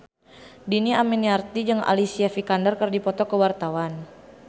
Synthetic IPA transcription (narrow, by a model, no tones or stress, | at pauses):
diniaminiart̪id͡ʒɨŋa̰lisiafikandərkərdipɔt̪ɔkəwart̪awan